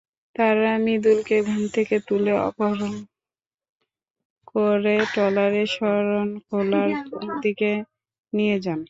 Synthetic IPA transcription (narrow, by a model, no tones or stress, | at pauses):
t̪aɾamid̪ulkeɡʱɔnt̪ʰeket̪uleɔ̰poɦaɾon | koɾeʈɔlaɾeʃɔɾonkʰolaɾd̪ike | nijed͡ʑan